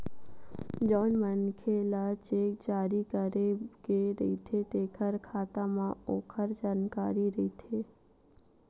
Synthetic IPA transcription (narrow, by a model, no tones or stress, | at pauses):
d͡ʒɔnmənkʰelat͡ʃek̚d͡ʒaɾikəɾeɡeɾəit̪ʰet̪ekʰəɾkʰat̪amãokʰəɾd͡ʒaːnkaɾiɾəit̪ʰe